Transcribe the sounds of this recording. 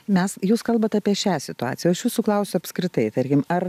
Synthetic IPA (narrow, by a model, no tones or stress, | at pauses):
mʲɛsjuːskɐlˠbɐt̪ɑːpʲiɛʃʲæːsʲɪt̪ʊɑ̰ːt͡s̪ʲɪjɛɐʃjuːsuːklˠɐʊsʲʊɐpskɾʲɪt̪ɐɪt̪ɐɾʲkʲɪmɐr